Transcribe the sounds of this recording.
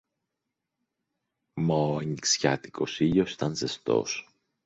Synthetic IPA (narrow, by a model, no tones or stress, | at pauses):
moɲksça̰t̪ikosiʎosi̥t̪ɐnzest̪o̰s